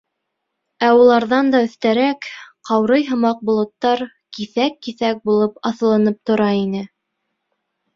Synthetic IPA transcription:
æulˠɑɾðɑnd̪ɑɵ̆θt̪æɾækqɑwɾɤjɦɤ̆mɑq̚bŏlˠŏt̪ːɑɾ | kiθækːiθæk̚bulˠɤpɑθ̆lˠɤ̆nɤp̚t̪ŏɾɑinɘ

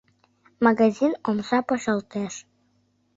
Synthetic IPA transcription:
mɑɣɑzinomsɑpəʃəlˠt̪eʃ

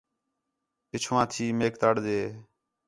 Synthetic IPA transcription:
pɪt͡ʃʰʋãːt̪ʰiːmeːkt̪aːɽdeː

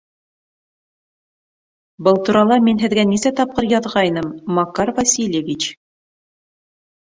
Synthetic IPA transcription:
bɤlˠt̪uɾɑlˠɑminɦɘ̆ðɡænisæt̪ɑp̚qɤɾjɑðʁɑjnɤmːɑkɑɾvɐsʲilʲjevʲit͡ɕ

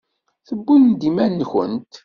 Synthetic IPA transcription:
θəbːund̪imænnçə̰nt̪

